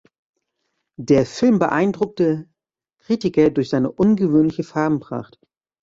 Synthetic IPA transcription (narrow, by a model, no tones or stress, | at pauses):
deːɐfɪlmbəʔaɪndʁʊk̚tə | kʁ̥iːtɪkɐdʊɐçz̥aɪnəʔʊnɡəvøːnlɪçəfaɐbm̩pʁ̥a̰χt